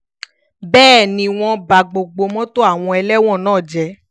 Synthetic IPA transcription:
bɛː˦˨nĩ˧w̃ɔ̃˧ba˨ɡ͡bo˨ɡ͡bo˨˧mɔ̃˦to˦a˦˨w̃ɔ̃˧ɛ˧lɛ˦w̃ɔ̃˦˨nãː˦˨d͡ʒɛ˧

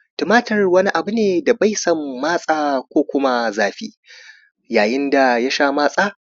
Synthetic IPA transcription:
tʊ˨maː˦tʰɐ˨rwɐ˦ni˦ʔa˨bu˦neː˨da˨ba˦jsɐ˦mːaː˦sʼaː˦kʷoː˦kʷʊ˦ma˦zaː˨ɸiː˦ | jaː˨jɪ˦nda˨ja˦ʃaː˦maː˦sʼaː˦

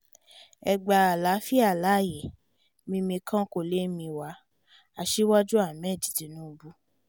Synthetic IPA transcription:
ɛ˨ɡ͡ba˧a˨la˨˦fi˦a˦˨la˨˦˨je˨ | mĩ˧mĩ˧kʰã˦ko˨le˨˦mĩ˧wa˨˦ | a˧ʃi˦wa˦d͡ʒu˦a˦˨mɛ̃˦˨di̥˨ti˨˦nũ˦˧bu˦

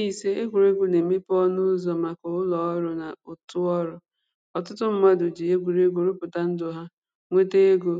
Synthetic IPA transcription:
i˨se˦e˦ɡʷu˨ɾe˦ɡʷu˨ne˨me˦pɔ˦nʊ˦zɔ˨ma˨kʊ˨ʊ˦lɔ˨ɔ˦ɾʊ˨na˨ʊ˨tʊ˦ɔ˦ɾʊ˨ | ɔ˨tʊ˦tʊ˦m̩˦ma˦dʊ˨d͡ʒi˨je˦ɡʷu˨ɾe˦ɡu˨ɾʊ˦pʊ˨ta˦n̩˦dʊ˨ɦa˦ | ŋʷe˦te˦e˦ɡo˦

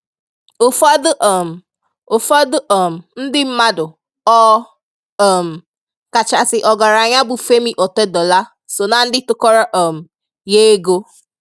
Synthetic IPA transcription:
o˨fɔ˦dʊ˦ʔm̩˨ | o˨fɔ˦dʊ˦ʔɔ˨m̩˨n̩˦dɪ˦m̩˦ma˦dʊ˨ | ɔ˦˨ | m̩˨ | ka˨t͡ʃa˨sɪ˨ʔɔ˨ɡa˨ɾa˨ɲa˦bʊ˨fe˦mi˦ʔɔ˨tɛ˦dɔ˨la˦ | so˨na˨n̩˦dɪ˦tʊ˦kɔ˦ɾɔ˦ʔɔ˨m̩˨ | je˦ɡo˦

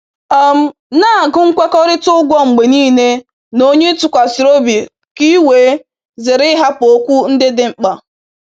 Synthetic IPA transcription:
ɔ˦m̩˦ | na˦˨ɡʊ˦ŋ̩˦kʷe˦kɔ˦ɾɪ˦tʊ˦ɡʷɔ˦ŋ͡m̩˨ɡ͡be˨niː˦ne˦ | no˦ɲe˦tʊ˨kʷa˨si˨ɾo˦bi˨ | ki˦we˨˦ | zɪ˨ɾɪ˦ɦa˦po˦kʷu˦n̩˦dɪ˦dɪ˨ŋ͡m̩˨k͡pa˨

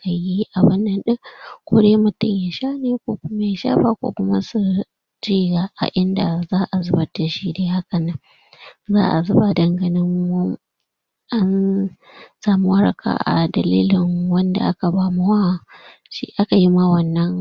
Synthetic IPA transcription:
ka˨ji˦ʔa˨bʊ˦nːɐ˦nɗɪ˦ŋkʷoː˦deː˦mʊ˨tʊ˦ɲja˨ʃaː˦neː˨kʷoː˦kʷʊ˦ma˦ja˨ʃa̰ː˦ɸaː˦kʷo̰ː˦kʷʊ˦ma˦su˦ | d͡ʒiː˦ɡaː˨ʔa̰˨ʔɪ˦nda˨zaː˦ʔa˨zʊ˦bɐ˨˦ta˨ʃiː˦deː˦ha˦kɐ˨na˦ | za̰ː˦ʔa̰˨zʊ˦ba˨dɐ˨ŋɡɐ˨nɪ˦ŋw | ʔa˦n | saː˨mu˦wɐ˦ɽɐ̰˨kʰa̰˨ʔa̰˨dɐ˨liː˦lɪ˨ŋwɐ˦nda̰˨ʔa˦ka˨baː˦mʊ˦wa˦˨ | ʃḭ˦ʔa˦ka˨ji˦ma˦wɐ˦˨nːɐ˦ŋ

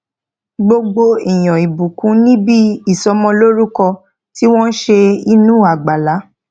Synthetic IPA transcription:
ɡ͡bo˧ɡ͡bo˧i˨j̃ɔ̃˨i˨bu˨kũ˨˦nĩ˦bi˦i˦˨sɔ˧mɔ̃˧lo˦ɾu˦kɔ˧ | ti˦w̃ɔ̃˦n̩˦ʃe˧i˧nũ˦˨a˨ɡ͡ba˨la˨˦

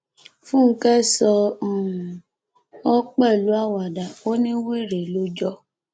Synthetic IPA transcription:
fũ˦˨˦kɛ˦sɔ˧˨ | ɔ˦k͡pɛ˦˨lu˨˦a˦˨wa˨da˨o˦nĩ˦wi˦˨ɾe˨lo˨˦d͡ʒɔ˦˧

